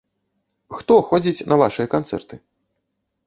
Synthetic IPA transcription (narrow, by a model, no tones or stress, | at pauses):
xt̪ɔxɔd͡zʲit͡sʲnʔɐvaʂɨjɐkant̪sɛ̰rt̪ɨ